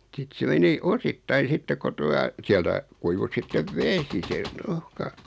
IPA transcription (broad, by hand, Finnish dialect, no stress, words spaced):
sit se meni ositːɑi sitːe ko tuɑ siæltæ kuiʋu sitːeʋ ʋesi se ruhkɑ